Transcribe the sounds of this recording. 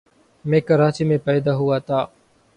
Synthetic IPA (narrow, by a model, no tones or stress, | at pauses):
mẽːkəɾaːt͡ʃiːmẽːpɛːd̪aːɦʊaːt̪ʰaː